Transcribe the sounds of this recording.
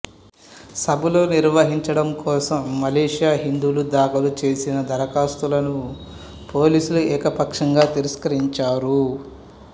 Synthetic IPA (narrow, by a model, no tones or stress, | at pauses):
sɐbuloːniɾʋɐɦiɲt͡ʃɐɽɐmkɔːsɐmːɐleːʂijaːɦind̪uːlud̪aːkɐlut͡ʃe̞ːsinɐd̪ʱɐɾɐkaːst̪ulɐnu | po̞ːliːsuluɛːkɐpɐkʂɐŋɡaːt̪iɾɐskɐɾiɲt͡ʃaːɾu